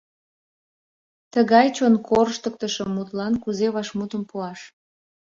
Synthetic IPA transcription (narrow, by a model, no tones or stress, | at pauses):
t̪əɣɑjt͡ɕonkʰorʃt̪ək̚t̪əʃəmːut̪lɑnkuzeβɑʃmut̪əmpuɑʃ